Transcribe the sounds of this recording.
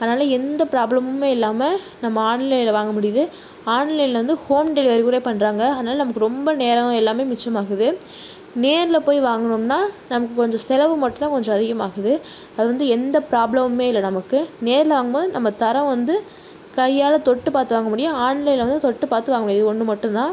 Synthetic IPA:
ɐðɐnaːlɐɛnd̪ɐpɪɾaːblɐmɯmeːɪlːaːmɐ | nɐmːɐaːɳlɐjɪlɐʋaːŋɡɐmʊɽɪjɐðɯ | aːɳlɐjɪlːɐʋɐnd̪ɯhoːmɖɛlɪʋɐɾkuɾeːpɐɳːɾaːŋɡɐɐðɐnaːlɐnɐmɐkːɯɾɔmbɐneːɾɐ̃ɛlːaːmeːmɪt͡ʃːɐmaːɣɯðɯ | neːɾɪlɐpoːjʋaːŋɡɐɳɯmnaːnɐmɐkːɯkɔɲd͡ʒɔ̃sɛlɐʋɯmɐʈːɯnt̪aːkɔɲd͡ʒɔ̃ɐðɪɣɐmaːɣɯðɯ | ɐðɯʋɐnd̪ɯɛnd̪ɐpɾaːblɐmmeːɪlːɐnɐmɐkːɯneːɾɪlɐʋaːŋɡɐmboːðɯnɐmːɐt̪ɐɾɐ̃ʋɐnd̪ɯ | kɐjːaːlɐt̪ɔʈːɯpaːɾt̪ɯʋaːŋɡɐmʊɽɪjɐ̃aːɳlɐjɪlɐʋɐnd̪ɯt̪ɔʈːɯpaːɾt̪ɯʋaːŋɡɐmʊɽɪjɐðɯɔɳːɯmɐʈːɯ̃nd̪ãː

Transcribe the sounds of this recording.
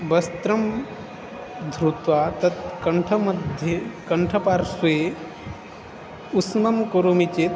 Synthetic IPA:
bɐst̪ɾɐm | d̪ʱɾut̪ʋaːt̪ɐt̪kɐɳʈʰɐmɐd̪ʱjekɐɳʈʰɐpaːɾsʋe | usmɐmkoɾomit͡ʃeːt̪

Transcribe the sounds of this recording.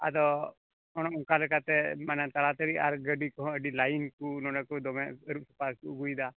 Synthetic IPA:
a̰d̪ɔ | ɔɽ̃ɔɔŋkalɛkat̪ɛmanat̪aɭat̪əɽiaɾɡəɖikɔɦɔ̃əɖilajinkunɔɖakud̪ɔmɛəɾup̚su̥palkuɡujd̪a

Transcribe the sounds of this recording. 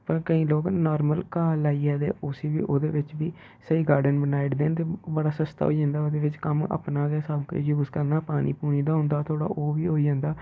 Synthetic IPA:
pəɾkəĩːloːknɔːɾməlkaːlaːiːɛːd̪ḛːʔʊːsiːʋḭːʔoːd̪ḛːʋɪt͡ʃʋiː | səiːɡaːɾɖənbənaːɪɽd̪eːnt̪eːbəɽaːsəst̪a̰ːɦo̰ːid͡ʒãːnd̪aːoːd̪eːʋɪt͡ʃkəmə̰pnaːɡɛːsəbkːjuːzkəɾnaːpaːnʔḭːpuːniːd̪aːɦʊ̃nd̪aːt̪ʰoːɽa̰ːʔoːʋiːɦoːid͡ʒãːnd̪aː

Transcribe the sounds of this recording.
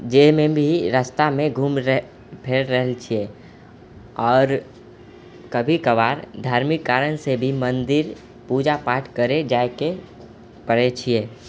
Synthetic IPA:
d͡ʒemẽbʱiɾaːst̪amẽɡʱuːm | pʰeːɽɾəɦɛlt͡ʃʰieː | ɔːɾ | kəbʱikəʋaːɾd̪ʱaːɾmɪkːaːɾəñsebʱimə̃nd̪ɪɾ | puːd͡ʒapaːʈʰkəɾed͡ʒaːke | pəɽet͡ʃʰieː

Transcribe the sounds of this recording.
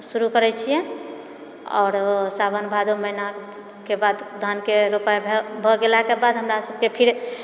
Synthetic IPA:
suɾukəɾɛt͡ʃʰijɛ̃ | ɔ̰ːɾsabʱənbʱad̪oməɦina | kebad̪d̪ʱankeɾopajbʱebʱɔɡelakebad̪ɦəmɾasəb̚kepʰiɾ

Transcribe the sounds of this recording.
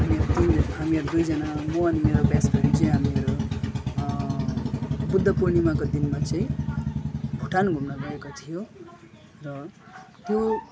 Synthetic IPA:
ɦamieɾot̪inɦamieɾud̪ujd͡zʌnamoʌnimeɾobjasbʌɾit͡sʌĩɦamieɾo | bud̪ʱːʌpuɾnimakod̪inmat͡sʌĩ | bʱuʈanɡʱumnʌɡʌekot̪ʰijo | rʌ | t̪jo

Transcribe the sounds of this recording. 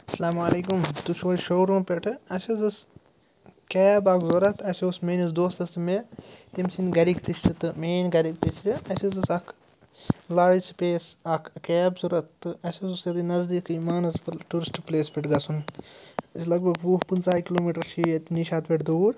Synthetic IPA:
ɐsɐlaːmaːleːkumt̪ut͡ʃʰoːlʲʃoːɾũːpʲeʈʰɨɐsɐzɨs | kɛːbɐkzɐɾɐt̪ɐseosmeːnisd̪oːst̪ɐsɨmet̪imsinɡɐɾiɡt̪ist͡ʃɨt̪ɨmeːnɡɐɾiɡ̚t̪ist͡ʃɨɐsizɨsɐkʰ | laːispʲeːsɐkʰkɛːbsuɾɐt̪ːɨɐsɐzusjɐd̪inɐzd̪iːkimaːnɐspʈuɾisʈpleːspʲeʈʰɡɐsun | ɐsʰlɐɡ̚bɐɡʋuːɦpɨnsaːikiloːmiːʈɐɾt͡ʃʰiːɐt̪ʲniʃaːt̪ʋeʈd̪uːɾ

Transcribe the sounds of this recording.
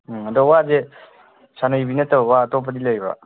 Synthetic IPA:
adɔwaze | sanajbinatawatɔpʰadilajba̰

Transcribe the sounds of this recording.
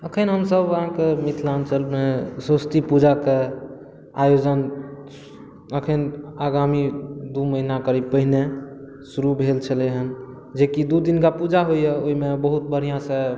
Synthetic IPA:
əkʰənɦəmsəbəɦãkemit̪ʰlant͡ʃəlmesəst̪ipud͡ʒake | ajod͡ʒən | əkʰənaɡamid̪uməɦinakəɾib̚pəɦine | suɾubʱelt͡ʃʰəleɦən | d͡ʒekid̪ud̪inkapud͡ʒaɦojeoimebəɦut̪̚bʱəɾ̤ijãsẽ

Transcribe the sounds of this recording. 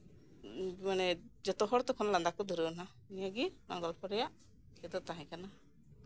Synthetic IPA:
manɛd͡ʒɔt̪ɔɦɔɽt̪ɔkʰɔnland̪akɔd̪uɾuna | nijaɡinɔ̰ŋɡɔlpʰɔɾɛjaʔ | kɛd̪ɔt̪aɦɛ̃kana

